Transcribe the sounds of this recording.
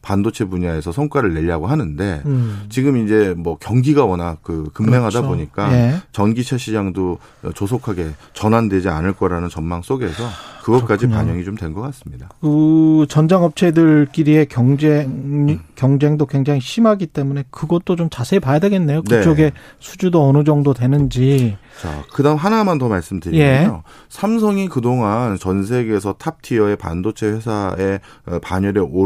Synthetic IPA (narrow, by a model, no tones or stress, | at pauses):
pandot͡ɕʰe̞puɲae̞sʰʌsʰʌŋk͈waɾɯɭːe̞ʎːaɡoɦanɯnde̞t͡ɕiɡɯmind͡ʑe̞mwʌkjʌŋɡiɡawʌnakɯkɯmːe̞ŋɦadaoɲik͈aet͡ɕʌnɡit͡ɕʰaɕʰid͡ʑaŋdo̰ | t͡ɕosʰokʰaɡe̞t͡ɕʌnandwe̞d͡ʑia̰nɯɭk͈ʌɾanɯnt͡ɕʌnmaŋs͈oɡe̞sʰʌkɯɡʌk͈ad͡ʑipa̰ɲʌŋit͡ɕomtwe̞nɡʌk͈as͈ɯmɲidakɯt͡ɕʌnd͡ʑaŋɦʌp̚t͡ɕʰe̞dɯɭk͈iɾie̞kʌŋd͡ʑe | kjʌŋd͡ʑe̞ŋdokweŋd͡ʑaŋiɕʰimɦaɡit͈e̞mune̞kɯɡʌt̚t͈ot͡ɕomt͡ɕasʰe̞ipajadwe̞ɡe̞nːe̞joknet͡ɕ͈ʌɡe̞ | sʰud͡ʑudoʌnɯd͡ʑʌŋdotwe̞nɯnd͡ʑit͡ɕa̰kɯdaɯmɦanamantʌmaɭs͈ɯmdɯɾjie̞o | sʰamsʰʌŋikɯdoŋant͡ɕʌns̬ʰe̞ɡe̞sʰʌtʰap̚tʰiʌe̞pa̰ndot͡ɕʰe̞ɸwe̞sʰae | paɲʌɾeo